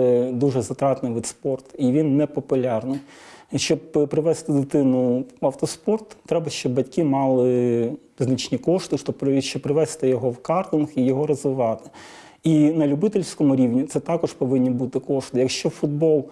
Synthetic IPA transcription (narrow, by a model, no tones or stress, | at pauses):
ɛd̪uʒɛzɐt̪ɾɑt̪nɪʋɪt̪spɔrt̪iʋʲinːɛpɔpʊlʲɑrnɪj | ʃt͡ʃɔbpɾɪʋɛst̪ɪd̪ɪt̪ɪnʊɐwt̪ɔspɔrt̪ːɾɛbɐʃt͡ʃɔbːɐtʲkʲɪmɑlˠɪ | znɐt͡ʃnʲikɔʂt̪ɪʃt̪ɔɾʃt͡ʃɔbpɾɪʋɛst̪ɪjɔɦɔwkɑrt̪ɔnxijɔɦɔɾɔzʋɪʋɑt̪ɪ̥ | inɐlʲʊbɪt̪ɪlʲsʲkɔmʊɾʲiwnʲit̪sɛt̪ɑkɔʃpɔʋɪnʲːibut̪ɪkɔʂt̪ɪjɐkʃt͡ʃɔfʊd̪̚bɔlˠ